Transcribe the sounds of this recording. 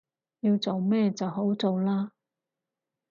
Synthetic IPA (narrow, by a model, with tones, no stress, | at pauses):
jiː˧wt͡so˨wmɛː˥˧t͡sɐ˨wɦo˨˥wt͡so˨wlaː˧